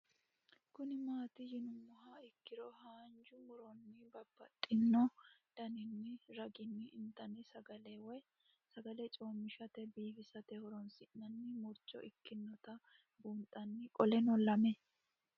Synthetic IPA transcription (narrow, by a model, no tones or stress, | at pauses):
kʊnɪmaːt̪ɪjɪnʊmːʊhaɪkːɪɾɔhaːnd͡ʒʊmʊɾɔnːɪbɐbːɐ̰t̪ʼːɪnːɔd̪̥ɐnɪnːɪɾɐɡɪnːɪɪnt̪ɐnɪsɐɡɐlewɔj | sɐɡɐlɛt͡ʃʼoːmːɪʃɐt̪ɛbiːfɪsɐt̪ɛhɔɾɔnsɪnːɐnːɪmʊɾt͡ʃːɔ̰ʔɪkːɪnːɔt̪ɐ | buːnt̪ʼɐnːɪkʼɔlɛnɔlːɐmɛ